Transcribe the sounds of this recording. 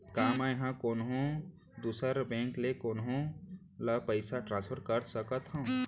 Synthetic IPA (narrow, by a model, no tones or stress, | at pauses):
kamajɦãkonɦõ | d̪usəɾbẽŋklekonɦõ | ləpəɪsaʈɾãnspʰəɾkəɾsəkət̪ɦə̃